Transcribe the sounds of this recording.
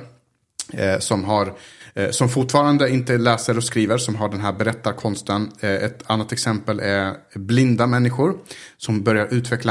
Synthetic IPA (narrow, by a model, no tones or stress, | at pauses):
sɔmɦaɾsɔmfʊʈfɑːɾand̪əɪnt̪əlɛːsəɾɔskɾiːvəɾsɔmɦaɖɛnɦæːɾbɛɾɛt̪ːaɾkʰɔnst̪ənɛt̪ʰanːat̪ɛksɛmpəlʔɛblɪnd̪amɛnːɪɧʊɾsɔmbœɾjaɾʔʉ̟ːt̪ʰvɛkla